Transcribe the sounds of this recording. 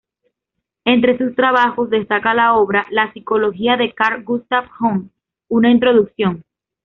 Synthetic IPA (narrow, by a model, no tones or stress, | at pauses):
e̞nt̪ɾe̞sust̪ɾaβ̞axo̞zðe̞st̪akalao̞βɾalasiko̞lo̞xiaðe̞kaɾɡust̪afhoŋ | unaint̪ɾo̞ðuksjo̞ŋ